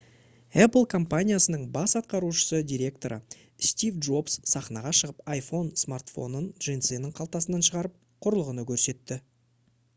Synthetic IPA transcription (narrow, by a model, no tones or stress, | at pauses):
æpəlˠkʰo̞mpanʲijasənəɴbɑsɑt̪̚qɑɾuʃə̥səd̪ʲijɾʲe̞k̚t̪o̞ɾʔə̰ | st̪ʲivdʒo̞pssɑχnɑʁɑʃəʁəpajfo̞nsmart̪fo̞̰nənʒent̪senɪŋqʰɑlˠt̪ɑsənɑnʃəʁɑɾəp̚ | qʰʊɾəlˠəʁənəkʲʰɵɾse̞t̪ːɪ